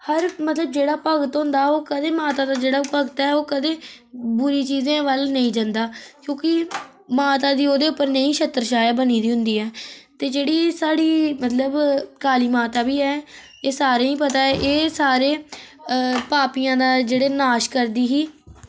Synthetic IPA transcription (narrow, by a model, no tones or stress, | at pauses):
həɾmət̪ləb̚d͡ʒeːɽaːpəɡt̪ɦʊ̃nd̪aːɛoːkəd̪eːmaːt̪aːd̪aːd͡ʒeːɽaːpəɡt̪ɛːoːkəd̪eː | bʊɾiːt͡ʃiːzẽːʋəlnəĩːd͡ʒãnd̪aːkjõːkɪ | maːt̪aːd̪iːoːd̪eːʊpːəɾnəĩːʃət̪əɾʃaːjaːbəniːd̪iːɦʊnd̪iːɛːt̪eːd͡ʒeːɽiːsaːɽiːmət̪ləbkaːliːmaːt̪aːbiːɛː | eːsaːɾeːĩːpət̪aːɛʔeːsaːɾeː | paːpijãːd̪aːd͡ʒeːɽeːnaːʃkəɾd̪iːɦiː